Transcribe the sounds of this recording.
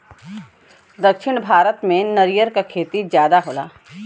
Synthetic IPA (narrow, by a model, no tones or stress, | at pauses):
d̪ɐkʃɪɽ̃bʱaːɾət̪mẽnɐɾijəɾkakʰeːt̪izjaːd̪aɦoːla̰ː